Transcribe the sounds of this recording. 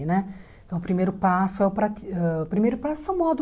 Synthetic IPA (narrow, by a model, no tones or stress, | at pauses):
nɛ̃ | t̪ɐ̃w̃ʊpɾimejɾʊpasʊɛʊpɾat̪iɛpɾimejɾʊpasʊɛwmɔd̪ʊ